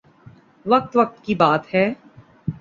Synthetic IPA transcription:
ʋɐk̚t̪ʋɐq̚t̪kibaːt̪hɛː

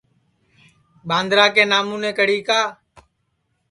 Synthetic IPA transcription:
ɓãːnd̪ɾaːkeːnaːmũːnẽːkəɽiːkaː

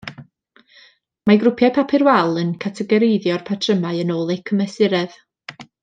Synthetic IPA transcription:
maɡɾʊpʰjapʰapʰɪrwalˠənkʰatʰɛɡɛɾeɨðjɔrpʰatʰrəmaɨənoːlˠejkʰəmɛsɪɾɛð̥

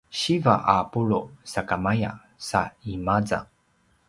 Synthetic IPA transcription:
ɕiva̰ʔapuɭusakamaja̰ | saimad͡za̰

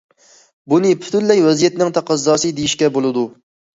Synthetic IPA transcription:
bunɨpʰy̥t̪ʰynlɛjwɛzijɛt̪nɪŋt̪ʰɑqɑzːɑːsɨd̪ejiʃkʲɛbolˠɨd̪u

